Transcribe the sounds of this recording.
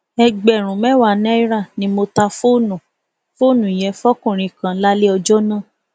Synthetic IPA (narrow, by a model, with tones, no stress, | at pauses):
ɛ˧ɡ͡bɛ˨ɾ̃ũ˨mɛ̃˦wa˦˨nɛ̃˦i˦ɾa˦˨nĩ˧˦mo˧ta˧fo˦˨nũ˨ | fo˦˨nũ˨jɛ˧fɔ˦kũ˦˨ɾ̃ĩ˧˨kã˧˦la˦le˦ɔ˧d͡ʒɔ˦nã˦˨